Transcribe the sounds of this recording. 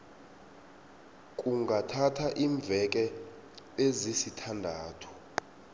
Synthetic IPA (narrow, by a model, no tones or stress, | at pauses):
kʼuŋɡʱatʰatʰaʔiːɱb̪vʱɛk̬ʼɛ | ezisitʰandʱaːtʰɔ̥